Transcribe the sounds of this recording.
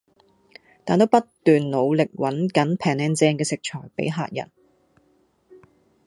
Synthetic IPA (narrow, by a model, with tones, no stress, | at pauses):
t̪aː˨nt̪o˥wpɐ˥t̪yː˨nlo˨˧wlɪ˨k̚wɐ˨˥nkɐ˨˥npʰɛː˨˩ŋɛː˧nt͡sɛː˧ŋkɛː˧sɪ˨k̚t͡ʃʰɔː˨˩jpḛ˨˥jɦa̰ː˧t̚jɐ̰˨˩n